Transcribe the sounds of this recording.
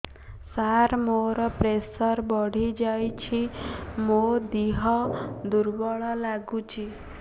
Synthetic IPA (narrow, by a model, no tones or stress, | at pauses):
saɾmoɾɔpɾesɔɾbɔɽ̤id͡ʒajt͡ʃʰimod̪iɦɔd̪uɾbɔɭɔlaɡut͡ʃʰi